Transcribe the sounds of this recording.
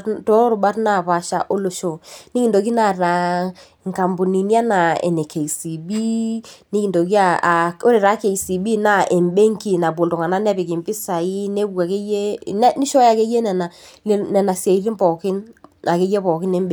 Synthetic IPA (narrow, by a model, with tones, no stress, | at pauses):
to˦ɾʊ˨ɓa˦tna˦˨pa˨ʃa̰˦ʔo˦lo˨ʃo˨ni˦ki˨ndo˨ki˦na˨ra˨ | ŋka˨mbu˨ni˨n˦a˦na˨ḛ˨nɛ˨kʰe˨si˨bi˦ni˦ki˨do˨ki˦a˨o˦ɾe˨ɾa˨˦ke˨i˨si˨bi˦na˦ʔe˨mbe˦ŋki˨na˨bwo˨lto˨ŋa˨na˦n˦ɛ˦pɪ˨kɪ˨mpɪ˦sa˨i˦ne˦bu˨a˨ke˦je˦nɛ˦ni˦ʃɔ˦ja˨ke˦je˦nɛ˨na˨lnɛ˨na˨sje˨i˦li˦mpɔ˨kɪ˦na˨ke˦jɛ˦pɔ˨kɪ˦nɛ˦mbe˨